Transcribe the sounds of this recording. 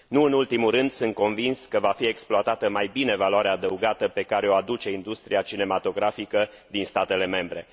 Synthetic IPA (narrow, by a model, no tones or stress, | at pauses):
nuɨnult̪imuɾɨnd̪sɨnt̪̚ko̞nvinskəvafie̞ksploat̪at̪əmajbine̞valoaɾeaːd̪əuɡat̪əpe̞kaɾeoad̪ut͡ʃe̞ind̪ust̪ɾiat͡ʃine̞mat̪o̞ɡɾafikə | d̪inst̪at̪e̞le̞me̞mbɾe̞